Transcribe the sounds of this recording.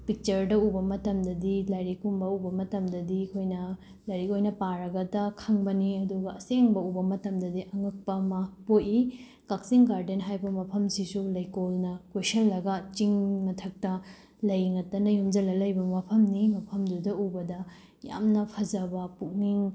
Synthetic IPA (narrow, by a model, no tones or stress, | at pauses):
pik̚t͡ʃɐɾdɐubɐmɐtɐmdɐdilɐjɾikumbɐubɐmɐtɐmdɐdikʰojnɐ | lɐjɾikojnɐpaɾɐɡɐdɐkʰɐŋbɐniɐduɡɐːseŋbɐubɐmɐtɐmdɐdiʔɐŋɐk̚pɐmapoji | kak̚siŋɡaɾdenɦajbɐmɐpʰɐmsisulɐjkolnɐkwesɐnlɐɡɐt͡ʃiŋmɐtʰɐk̚tɐ | lɐjŋɐtːɐnɐjumd͡ʒɐlɐlɐjbɐmɐpʰɐmnimɐpʰɐmdudɐubɐdɐ | ja̰mnɐpʰɐzɐbɐpuk̚niŋ